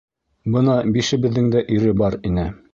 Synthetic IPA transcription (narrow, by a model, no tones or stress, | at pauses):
bɤnɑbiʃɘ̆bɘ̆ðːɘŋd̪æʔiɾɘbɑɾinɘ